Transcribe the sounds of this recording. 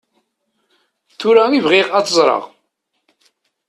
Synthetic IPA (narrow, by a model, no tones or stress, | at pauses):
θʊɾaivʁiʁæθəzˤɾˤɑ̰ʁ